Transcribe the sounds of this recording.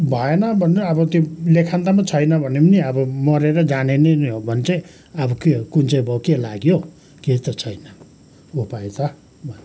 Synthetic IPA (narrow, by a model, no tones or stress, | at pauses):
bʱʌenʌbʱʌnʌbʌt̪jolekʰant̪amat͡sʰʌjnʌbʱʌnepʌniʌbʌmʌɾeɾʌd͡zanenenobʱʌnt͡sʌj | ʌbʌkekunt͡sʌjbʱʌkelaɡjo | ket̪ʌt͡sʰʌjnʌ | opaet̪ʌ | bʱʌn